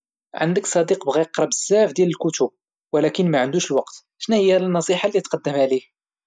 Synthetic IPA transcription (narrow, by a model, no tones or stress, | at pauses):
ʕə̰nd̪əksˤɑd̪iqbɣiqɾˤɑbəzːæfd̪jæləlkʊt̪ub̚ | wəlækənmæʕənd̪uʃəlwɑqt̪ | ʃnæhəjːælnːɑsˤiħalːit̪qɑd̪ːəmʕalih